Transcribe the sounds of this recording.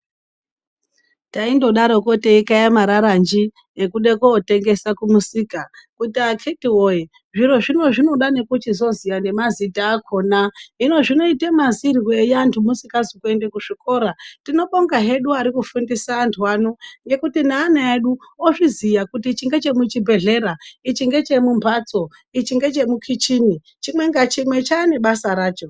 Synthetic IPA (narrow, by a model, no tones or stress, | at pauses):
taindo̞ɗaɾoko̞te̞ikajamaɾaɾand͡ʒi | ekuɗekoːte̞ŋɡe̞sakumusikakutiakʰetiwoje | ʐiɾo̞ʐino̞ʐino̞ɗane̞kut͡ʃizo̞zijane̞mazitaːkʰo̞naino̞ʐino̞itemazirwe̞jantʰumusikazikuendekuʐiko̞ɾatino̞ɓoŋɡaɦe̞ɗuaɾikufundisaːntʰuanoŋɡe̞kutinaːnaeɗuoʐizijakutit͡ʃiŋɡe̞t͡ʃe̞mut͡ʃibʱe̞ɮe̞ɾait͡ʃiŋɡe̞t͡ʃe̞mumbʰʱat͡so̞ | it͡ʃiŋɡe̞t͡ʃe̞mukʰit͡ʃini | t͡ʃimwe̞ŋɡat͡ʃimwe̞t͡ʃaːne̞ɓasaɾaːt͡ʃo